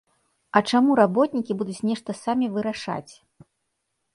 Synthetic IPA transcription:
ɐt͡ʂamuɾabɔt̪̚nʲikʲibud̪ut͡sʲnʲɛʂt̪ɐsamʲivɨɾaʂa̰t͡sʲ

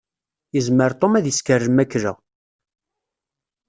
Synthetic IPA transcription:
jəzməɾt̪ˤomæðjəskərːəmækːɾæ̰

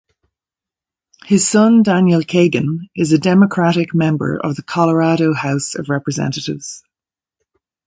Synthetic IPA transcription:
hɪz̥sʌ̃ndãnjəlˠkʰeɪɡə̃nɪzədɛməkʰɹ̥aɾɪkmɛ̃mbə̰ɹə̰vðəkʰɑləɹaɾoʊhaʊsə̰vɹɛpɹəzɛ̰̃ntəɾɪ̰vz̥

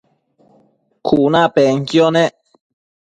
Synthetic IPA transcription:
kʰunãpeŋkjone

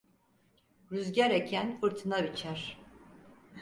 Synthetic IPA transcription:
ɾyzɟæɾecʰænɯɾt̪ʰɯnabit͡ʃʰæɾ̥

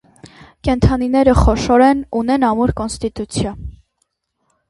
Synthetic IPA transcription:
kɛnt̪ʰɑninɛɾəχɔʃɔɾɛnunɛnɑmuɾkɔnst̪it̪ut͡sʰjɑn

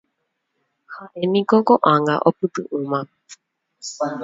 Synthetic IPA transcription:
haʔenĩkokoʔãŋɡa̰ʔopɨt̪ɨ̰ʔɨ̃mã

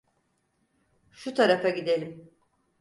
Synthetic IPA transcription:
ʃut̪ʰaɾafaɟid̪e̞lʲim

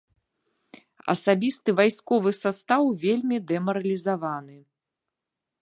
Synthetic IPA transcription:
ɐ̰sabʲist̪ɨvajskɔvɨsast̪awvʲelʲmʲid̪ɛmɐɾɐlʲizavanɨ

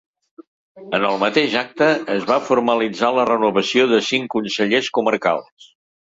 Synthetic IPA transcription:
ənəlˠmət̪eʒak̚t̪əːzβafuɾməlid͡zalərənuβəsioðəsiŋkunsəʎeskuməɾka̰lˠs

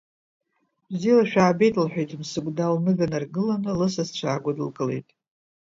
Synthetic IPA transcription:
bzilaʃᶣaːbe̞jtʼlħʷᶣejtʰʼɨmsɨɡʷʼdalnɨɡanarɡɨlanɨlɨsast͡ɕʷʰaːɡʷadɨlkʼɨle̞̰jtʼ

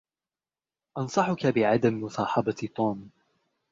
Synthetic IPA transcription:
ʔɑnsˤɑħʊkabɪʕad̪ammʊsɑːħɑbɑt̪ˤuːm

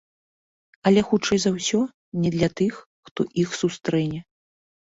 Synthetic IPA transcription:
ɐlʲɛxut͡ʂɛjzɐwsʲɔ | nʲɛd̪lʲɐt̪ɨxːt̪ɔʔixsust̪ɾɛnʲɛ

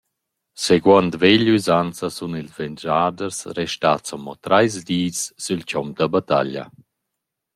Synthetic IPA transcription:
seɡwant̪veʎyzant͡sasunilzvɛnd͡ʒaːdərsɾɛʃtat͡sɔmɔt̪ɾajzd̪iːsːylcɔmd̪abat̪a̰ʎa̰

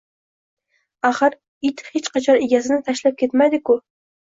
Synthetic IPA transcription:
ɑχɨɾ | it̪het͡ʃqɑt͡ʃʰɑneɡʲɛzɪnɪt̪ʰæʃlæp̚kʲʰet̪mæd̪ɪkʊ

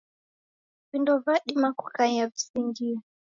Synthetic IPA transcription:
vindɔvaɗimakukaɲavisiŋɡia

